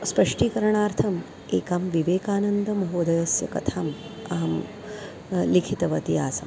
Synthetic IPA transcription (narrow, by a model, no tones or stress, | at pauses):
spɐʂʈiːkɐɾɐɳaːɾt̪ʰɐm | eːkaːmʋiʋeːkaːnɐnd̪ʱɐmɐɦoːd̪ɐjɐsjɐkɐt̪ʰaːm | ɐɦɐm | likʰit̪ɐʋɐt̪ijaːsɐm